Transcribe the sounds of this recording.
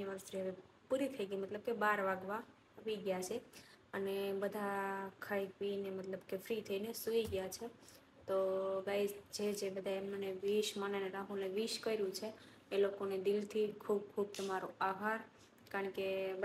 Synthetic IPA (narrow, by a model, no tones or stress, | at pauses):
iʋəɾst̪ʰɾiɦəʋe | puɾit̪ʰəiɡimət̪ləb̚kebaɾʋaɡʋa | aʋiɡjat͡ʃʰeənebəd̪ʱakʰajkʋinemət̪ləbkefɾit̪ʰəinesuiɡjat͡ʃʰe | t̪oɡaisd͡ʒed͡ʒebəd̪ʱaemnoneʋiʃmaneneɾaɦũneʋiʃkəiɾjũt͡ʃʰe | elokoned̪ɪlt̪ʰikʰub̚kʰub̚t̪əmaɾuaɦaɾ | kaɾəɳke